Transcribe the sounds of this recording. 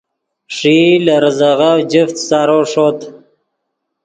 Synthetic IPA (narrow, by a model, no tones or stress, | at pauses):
ʂilaɾzaɣawd͡ʒəft̪sɑːɾoʂot̪